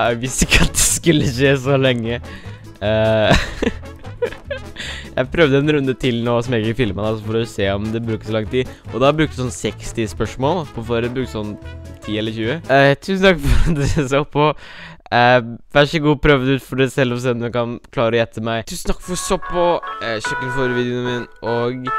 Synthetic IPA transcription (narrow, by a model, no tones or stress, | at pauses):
æɪʋɪst̪ɪkːəɑt̪̚d̪ɛskʉlːəçeːsɔlɛŋːə | ə | jæ̰ɪpʰɾœʋd̪əɛnɾʉnd̪ət̪ʰɪlnoːsɔmjɛkəfɪlmənɑsɔfɔɾseːɔmd̪ɛbɾʉːkə̥sɔlɑŋt̪ʰiːʔɔd̪ɑbɾʉːk̚t̪sɔnsɛkst̪ɪspœʂmoːlpʰɔfoɾəbɾʉːksɔnːt̪ʰiːɛləɾçʉːət̪ʰʉːsən̩t̪ʰɑkːfɔɾd̪ɛsɔpʰːɔəʋæʂəɡuːpʰɾøʋd̪ʉːt̪fɔɖæɪsɛlːɔs̬eːd̪ɛnkɑnkʰlɑːɾəɔjɛt̪ʰːəmæɪt̪ʰʉːsən̩t̪ʰɑ̥kːfɔsɔpʰːɔɕœkːənfoːɾəʋiːd̪ɪʊmɪnʔoːɡ